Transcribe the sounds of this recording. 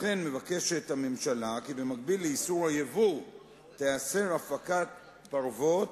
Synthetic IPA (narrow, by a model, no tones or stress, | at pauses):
χe̞nme̞vake̞ʃethame̞mʃalakibe̞maɡ̚bilːeisuʁhajevu | tease̞ʁafakat̚ | baʁvo̞t